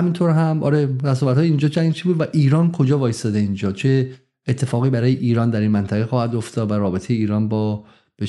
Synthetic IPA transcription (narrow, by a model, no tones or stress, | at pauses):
æmint̪ʰoɾɦæmʔɒ̰ːɾeɾæs̬ɒːvæt̪hɒːjeiːnd͡ʒɒːt͡ʃʰæŋɡt͡ʃʰibuːd̪væʔiːɾɒːnkʰo̞d͡ʒɒːvɒːjesd̪ɒd̪eind͡ʒɒːt͡ʃʰe̞ | et̪ʰːe̞fɒːɣiːbæɾɒːjeʔiːɾɒːnd̪æɾinmænt̪ʰæɣexɒːhæd̪oft̪ʰɒːd̪væɾɒːbe̞t̪ʰejeiːɾɒːnbɒː | b̥e